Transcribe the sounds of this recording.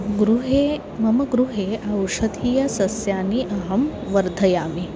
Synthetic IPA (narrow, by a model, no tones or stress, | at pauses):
ɡɾuɦe | mɐmɐɡɾuɦeːɐwʂɐd̪ʱiːjɐsɐsjaːniʔɐɦɐm | ʋɐɾd̪ʱɐjaːmi